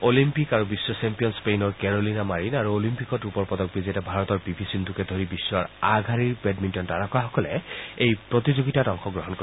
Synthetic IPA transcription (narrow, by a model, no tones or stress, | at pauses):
olimpikaɹubisːɔsɛmpijɔnspejnɔɹkɛɹolinamaɹinaɹuolimpikɔtupɔɹpɔdɔk̚bizetɛbʱaɹɔtɔɹbibʱisindukɛdʱoɹibisːɔa̰ɹaɡʱaɹiɹpɛdmintɔntaɹakɔaxɔkɔlɛejpɹot̪izoɡitatɔŋxɔɡɹɔɦɔnko